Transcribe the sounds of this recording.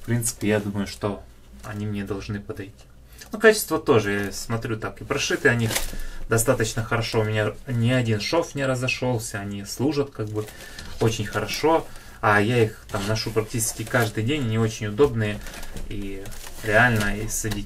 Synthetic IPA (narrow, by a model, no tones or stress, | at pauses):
fpɾʲint̪sɨ̥pʲɪjad̪uməjʊʂt̪o̞ | ɐ̰nʲimnʲed̪ɐlˠʐnɨpəd̪ɐjtʲi̥ | nokat͡ɕɪ̥st̪vət̪o̞ʐɨjasmɐt̪ɾʲut̪akipɾɐʂɨt̪ɨɐnʲixd̪ɐst̪at̪ət͡ɕnəxəɾɐʂo̞ʊmʲɪnʲanʲɪɐdʲinʂofnʲɪɾəzɐʂo̞lˠsʲəɐnʲislˠuʐət̪kaɡ̚bɨ | o̞t͡ɕɪnʲxəɾɐʂo̞ | ɐjaixt̪amnɐʂupɾɐk̚tʲit͡ɕɪ̥skʲɪkaʐd̪ɨjdʲenʲnʲɪo̞t͡ɕɪnʲʊd̪o̞bnɨjəiɾʲɪalʲnəisɐdʲitʲ